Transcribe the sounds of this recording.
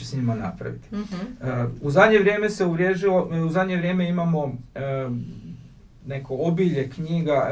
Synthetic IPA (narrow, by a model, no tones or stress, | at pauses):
esɲimana̰pɾa̰ʋḭt̪i̥ | uzad̪ɲe̞ʋɾʲje̞ːme̞se̞uɾjeːʒilo̞uzad̪ɲe̞ʋɾje̞ːme̞imamo̞ | ne̞koobiʎe̞kɲiːɡa